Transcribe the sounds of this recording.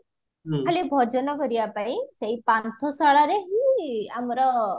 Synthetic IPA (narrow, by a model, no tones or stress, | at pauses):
alibʱɔd͡ʒɔnɔkɔɾibapaĩseipant̪ʰɔsaɭaɾeɦiamɔɾɔ